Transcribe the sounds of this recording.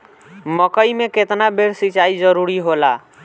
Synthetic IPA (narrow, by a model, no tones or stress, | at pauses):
məkəimeket̪nabeɾsit͡ʃaid͡ʒəɾuɾiɦola